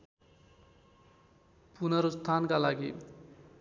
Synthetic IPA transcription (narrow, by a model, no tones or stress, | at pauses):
punʌɾost̪ʰankalaɡi